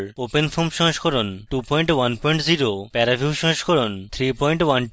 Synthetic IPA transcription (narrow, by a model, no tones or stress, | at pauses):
ɾopenfomʃɔ̃ɦʃkʰɔɾonʈupɔjɳʈwanpɔjɳʈziɾopɛɾabʱiuʃɔ̃ɦʃkʰɔɾont̪ʰɾipɔjɳʈwan